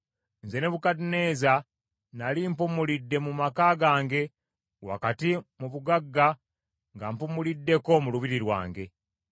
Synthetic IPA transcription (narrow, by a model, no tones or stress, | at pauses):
nze̞neβukatine̞ːza | nalimpumulidːe̞mumakaɡaːŋɡe̞ | wa̰katimuβuɡaɡːa | ŋɡampumulidːe̞ko̞muluβiɾiɾwa̰ːŋɡe̞